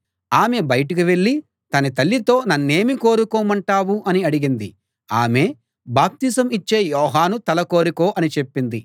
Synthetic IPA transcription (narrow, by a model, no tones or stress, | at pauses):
aːme̞bɐjɐʈɐkiʋe̞ɭːi | t̪ɐnit̪ɐlːit̪o̞ːnɐnːe̞ːmiko̞ːɾukoːmɐɳʈaːwuʔɐniɐɽiɡind̪i | aːme̞ː | baːp̚t̪iːsɐmit͡ʃːe̞ːjɔːɦaːnut̪ɐlɐko̞ːɾuko̞ːʔɐnit͡ʃe̞pːind̪i